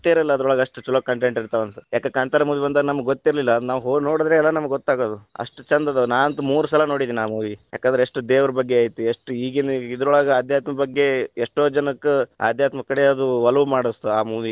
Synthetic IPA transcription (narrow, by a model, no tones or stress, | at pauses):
t̪ːeɾilːɐɐd̪ɐɾɔɭaːɡɐʂʈut͡ʃulɐkːɐɳʈeɳʈiɾt̪ɐʋɐnt̪ujaːkɐkaːɳt̪aːɾɐmuːʋibɐnd̪anɐmːɐɡɡot̪ːiɾlilːɐd̪naːʋɦonoːɽd̪ɾeɛlːɐnɐmɐɡɡot̪ːaːɡoːd̪uɐ̰ʂʈut͡ʃɐnd̪ɐd̪ɐnaːɐnt̪ɐmuːɾusɐlɐno̞ːɽid̪iːniaːmuːʋijaːkɐnd̪ɾeeʂʈud̪eːʋɐɾɐbɐɡːeaːjit̪ːueʂʈuiːɡend̪id̪ɐɾɔɭaːɡɐaːd̪ʱjaːt̪mɐbɐɡːe̞eʂʈo̞ːd͡ʒɐnɐkːua̰ːd̪ʱjaːt̪mɐkːɐɽeɐd̪uʋɐlɐʋmaːɽɐst̪uaːmuːʋi